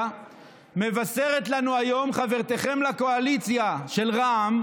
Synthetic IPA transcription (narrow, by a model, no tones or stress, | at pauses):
me̞vase̞ʁe̞t̪lanuajo̞mχave̞ʁt̪e̞χe̞mlako̞alit͡sjaʃe̞lʁaːm